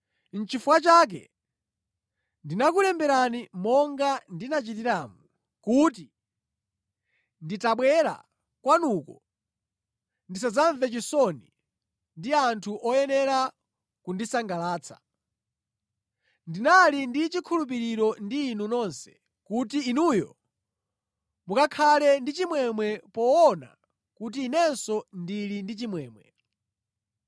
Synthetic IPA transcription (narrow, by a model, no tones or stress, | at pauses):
n̩t͡ʃifwat͡ʃaːk̬ɛ̰ | ndinak̬ulɛmbɛɾanimɔŋɡandinat͡ʃit̬iɾamu | kut̬i | nditaɓwɛɾa̰ | kwanukɔ | ndis̬azaɱvɛt͡ʃisɔni | ndiantʰuʔɔjɛnɛɾa | kundisaŋɡalaːt͡sʰḁ̰ | ndinalindit͡ʃikʰulup̬iɾiɾɔndiːnunɔnsɛ̥ | kutiːnujɔ | mukakʰalɛndit͡ʃimwɛmwɛpɔɔna̰ | kutiːnɛnsɔndilindit͡ʃimwɛːmwɛ̰